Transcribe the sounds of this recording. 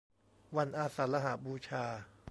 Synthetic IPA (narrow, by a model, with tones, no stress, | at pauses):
wa˧nʔaː˧saː˩˦nla˧ɦa˨˩˦buː˧t͡ɕʰaː˧